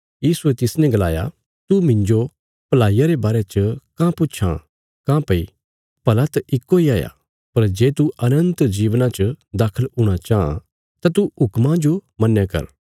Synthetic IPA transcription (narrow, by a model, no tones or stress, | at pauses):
jiːsuɛt̪ɪsnɛ̃ɡɐla̰ːja̰ | t̪umɪ̃ɲd͡ʒo | pɐlaːijaɾebaːɾet͡ʃəkãpʊːt͡ʃʰã̰ | kãːpɐḭ | pɐlat̪ʔɪkːoiaːja̰ | pɐɾd͡ʒeːt̪uʔɐnə̃nt̪d͡ʒiːʋnãt͡ʃd̪aːkʰəluɽ̃at͡ʃaːã̰ | t̪at̪uɦʊkmãd͡ʒomɐ̃nːjakɐ̰ɾ